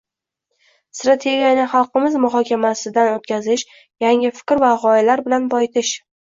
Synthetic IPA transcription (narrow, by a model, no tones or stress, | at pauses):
st̪ɾat̪ʰe̞ɡʲijanɪχɑlˠqɨmɪzmʊɦɒkʲʰamasɪd̪anot̪kʲʰazɪʃ | jaŋɪfɪ̥kʲɾvaʁɒɪlaɾbɪlanbɒjt̪ʰɪʃ